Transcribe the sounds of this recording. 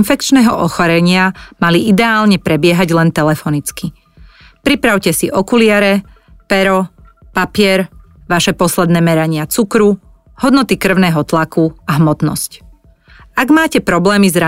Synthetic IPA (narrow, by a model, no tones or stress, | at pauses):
nfɛkt͡ʃnɛːɦɔʔɔxɔɾɛɲɪamaliʔid̪ɛaːlɲɛpɾɛbɪɛɦaɟlɛnt̪ɛlɛfɔnit͡ski | pɾipɾaʊcɛsiʔɔkulɪaɾɛ | pɛɾɔ | papɪɛɾ | ʋaʃɛpɔslɛd̪nɛːmɛɾaɲɪat͡sukɾu | hɔd̪nɔt̪ikr̩ʊnɛːɦɔt̪lakuaɦmɔt̪nɔ̰sc | aɡmaːcɛpɾɔblɛːmizɾa